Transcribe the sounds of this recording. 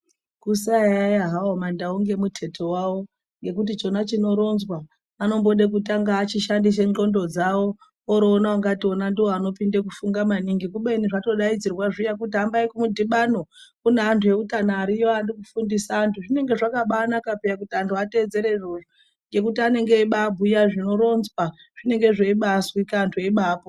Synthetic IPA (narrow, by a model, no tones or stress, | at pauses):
kusajajaɦawomandauŋɡe̞mutʰe̞tʰo̞wawo̞ | ŋɡe̞k̬utit͡ʃo̞nat͡ʃino̞ɾo̞nzwaː | no̞mbo̞ɗek̬utaŋɡaːt͡ʃiʃandis̬e̞ŋo̞ndo̞d͡zawo̞ | oɾoːnawaŋɡatio̞nandiwoano̞pindekufuŋɡamaniŋɡikuɓeniʐato̞ɗaid͡zirwaʐijakutiɦambaikumudʱiɓano̞kuneantʰuje̞utanaːɾijoandikufundisaːntʰuʐine̞ŋɡe̞ʐakaɓaːnakapejak̬utiantʰuate̞d͡ze̞ɾe̞roʐo | ŋɡe̞k̬utiane̞ŋɡe̞iɓabʱujaʐino̞ɾo̞nzwa | ʐ̥ine̞ŋɡe̞ʐeiɓaswikaːntʰue̞ɓaːpo